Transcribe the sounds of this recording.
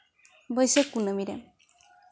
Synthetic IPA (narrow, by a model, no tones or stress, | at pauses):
bəjsekunəmiɾɛ̰m